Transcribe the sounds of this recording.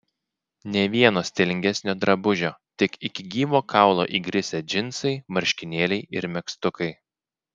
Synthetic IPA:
nʲɛʋʲiɛnoːsʲt̪ʲeːlʲɪŋʲɡʲɛsʲnʲoːd̪ɾɐbʊʒʲoːt̪ʲɪkɪkʲɪɡʲiːʋoːkʰɑˑʊlˠo̰ːʔiːɡɾʲɪsʲɛd͡ʒʲɪnˑsɐɪmɐɾʲʃʲkʲɪnʲeːlʲɛɪʔɪɾmʲɛkst̪ʊkɐɪ

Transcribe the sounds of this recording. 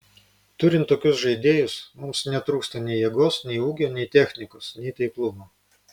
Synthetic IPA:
t̪ʊɾʲɪnt̪ːoːkʲʊsʒɐɪd̪ʲeːjʊsmʊmsnʲɛt̪ɾuːkst̪ɐnʲɛɪjɛɡoːsnʲɛɪuːɡʲoːnʲɛɪt̪ʲɛxʲnʲɪkoːsnʲɛɪt̪ɐɪklˠʊmoː

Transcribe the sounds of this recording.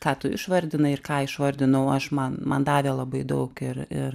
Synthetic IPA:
kɑːt̪ʊɪ̰ʃʋɐrʲd̪ʲɪnɐɪrkɑːɪʃʋɐrʲd̪ʲɪnɐʊɐʃmɐnmɐ̰nd̪ɑːʋʲeːlˠɐbɐɪd̪ɐʊkɪɾɪr

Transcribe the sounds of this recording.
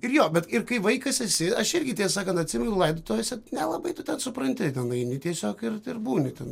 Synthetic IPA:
ɪrjoːbʲɛt̪ɪrkɐɪʋɐɪkɐsɛsʲɪɐʃɪrʲɡʲɪtʲeːsɑːkɐnt̪ɐtʲsʲɪmʲɛnɛnʊlˠɐɪd̪ot̪oːjɛsʲɛnʲɛlˠɐbɐɪt̪ʊt̪ʲɛnsʊprɐnʲt̪ʲɪt̪ʲɛnɐɪnʲɪtʲiɛsʲoːkɪrɪrbuːnʲɪt̪ʲɛn

